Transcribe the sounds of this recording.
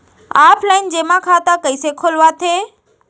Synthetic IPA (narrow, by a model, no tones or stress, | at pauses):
aːpʰlaːɪnd͡ʑeːmãkʰaːt̪akəisekʰoːlʋat̪ʰeː